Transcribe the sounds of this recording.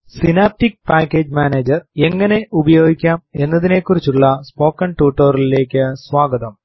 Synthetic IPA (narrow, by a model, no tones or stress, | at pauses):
sinaːp̚tik̚paːkːe̞ːd͡ʑmaːneːd͡ʑɐre̞ŋːɐne̞ʔubɐjo̞ːɡikʲːaːme̞nːɐðine̞kːurit͡ɕːuɭːɐspo̞ːkːɐɳʈuːʈːoːrile̞ːkʲːɨsʋaːɡɐðɐm